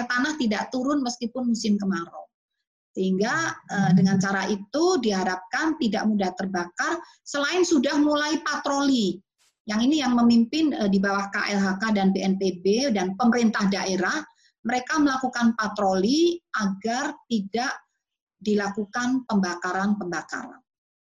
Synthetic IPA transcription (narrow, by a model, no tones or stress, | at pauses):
t̪anaht̪idaʔt̪uɾʊnməskipʊnmusɪmkəmaɾo | səɦiŋɡaədəŋant͡ʃaɾaʔit̪udiɦaɾap̚kant̪ida̰ʔmudaht̪ərbakar | səlaɪnsudahmulaipat̪ɾoli | jaŋinijaŋməmimpɪnədibawahka̰ʔɛlɦakadanbeɛnpebedanpəməɾint̪ahdaʔeɾah | məɾekaməlakukanpat̪ɾoliʔaɡart̪idaʔ | dilakukanpəmbakaɾanpəmbaka̰ɾa̰n